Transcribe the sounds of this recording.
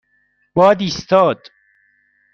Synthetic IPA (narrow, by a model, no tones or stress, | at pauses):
b̥ɒːd̪iːst̪ɒːd̪̥